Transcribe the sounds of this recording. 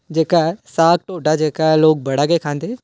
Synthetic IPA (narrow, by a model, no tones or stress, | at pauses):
d͡ʒeːkaɦɛsaːk̚ʈoːɖad͡ʒeːkaɦɛloːk̚bʱɐɽ̤aɡəekʰãːnd̪eː